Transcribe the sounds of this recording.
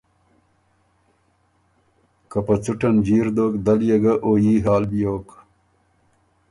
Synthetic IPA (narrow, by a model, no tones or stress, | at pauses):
kɐpɐt͡suʈɐnd͡ʑiːɾd̪oːkd̪ɐljeɡaʔoːjiːɦaːlbijoːk